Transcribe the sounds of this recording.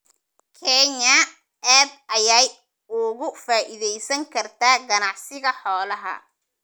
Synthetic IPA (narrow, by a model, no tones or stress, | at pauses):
kʰɛɲɐ | aːd̪ɐjaːj | ʊɣʊfaːʔɪðɛjsɐŋkʰɐrt̪ʰaːɡɐnɑʕsɪɣɐħɔːlɐɦɐ̰